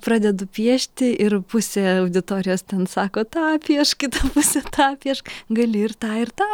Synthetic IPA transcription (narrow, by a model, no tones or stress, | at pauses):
pɾɑːd̪ʲɛd̪ʊpʲiɛʃʲt̪ʲɪʔɪrpʊsʲeːɐʊd̪ʲɪt̪oːɾʲɪjoːst̪ʲɛnsɑːkoːt̪ɑːpʲːiɛʃkʲɪt̪ɐpʊsʲet̪ɑːpʲiɛʃɡɐlʲɪɪrt̪ɑːɪrt̪ɑː